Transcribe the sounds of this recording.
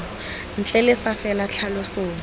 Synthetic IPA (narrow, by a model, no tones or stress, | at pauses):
n̩t͡ɬʼɛlɪfafɛlaɬʰalɔsoːm̩